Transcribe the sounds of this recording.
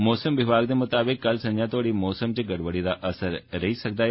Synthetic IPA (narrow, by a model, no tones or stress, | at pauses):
mɔːsəmʋɪʋaːɡd̪emʊt̪aːbɪkːɐlsɐ̃nd͡ʒãt̪oːɽimɔːsəmt͡ʃeɡɐɽʋəɽid̪aʔɐsəɾːɐɦisɐk̚d̪aː